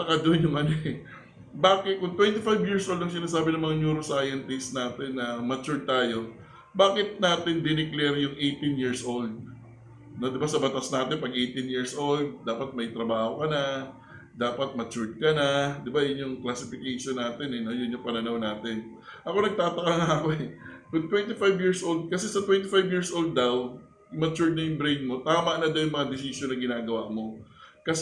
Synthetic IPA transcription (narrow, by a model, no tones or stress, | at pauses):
t̪ɐkad̪onjʊŋʔɐnoʔɛ | baːkɪt̪̚kʊŋt̪wɛnt̪ɪfajbjiɹsʔold̪ɐŋsɪnaːs̬aːbɪnɐŋmɐŋaɲuːɾosaːjɐnt̪ɪst̪naːt̪ɛnːɐmɐt͡ʃuɹd̪̚t̪aːjo̞ | baːkɪt̪̚naːt̪ɪnd̪ɪnɪklɛɾjʊŋʔejt̪ɪnjiɹsʔold̪̚ | no̞d̪ɪbasɐbɐt̪asnaːt̪ɪnpɐɡ̚ʔejt̪ɪnjiɹsʔo̞ld̪̚d̪aːpɐt̪̚mɐjt̪ɾɐbaːho̞kɐnɐ | d̪aːpɐt̪̚mɐt͡ʃʊɹd̪̚kɐnad̪ɪbajʊnːʊŋklɐsɪfɪkejʃonːaːt̪ɛnɛnojʊnjʊŋpɐnɐnɐwnaːt̪ɪn | ʔɐko̞nɐɡ̚t̪aːt̪ɐkaŋaɐko̞ɛwɪt̪wɛnt̪ɪfajbjiɹsʔold̪̚kɐsɛsɐt̪wɛnt̪ɪfajbjiɹsʔold̪̚ːɐw | ɪmɐt͡ʃuɹd̪̚nɐjʊŋbɾejnmo̞t̪aːmɐʔnɐd̪awjʊŋmɐŋad̪ɪsisonɐɡɪnaːɡɐwaʔmo̞kɐs